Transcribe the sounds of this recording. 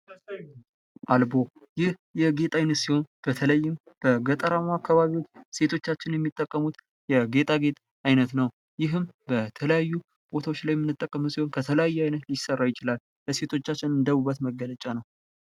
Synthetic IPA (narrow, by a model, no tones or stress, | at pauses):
ʔalbo̞ | jɪhjɛɡe̞t̪ʼajnət̪siho̞nb̥ət̪ʰələjːɪm | b̥əɡət̪ʼəɾamakːaβaβiwo̞t͡ʃːse̞t̪ʰo̞t͡ʃːat͡ʃːɪnjɛmːit̪ʼːəkʼːəmut̪ | jɛɡe̞t̪ʼaɡe̞t̪ʼ | ajnət̪nəw | jɪɦɨmbət̪ʰələjajːu | b̥o̞t̪ʰawot͡ʃːlajɛmɨnːɨt̪ʼːəkʼːəmusiho̞nkʰət̪ʰələjajːɛajnət̪ljɪsərːajɪt͡ʃɪlal | bəse̞t̪ʰo̞t͡ʃːat͡ʃːɪnɨnd̪əβubːət̪məɡːələt͡ʃʼanəw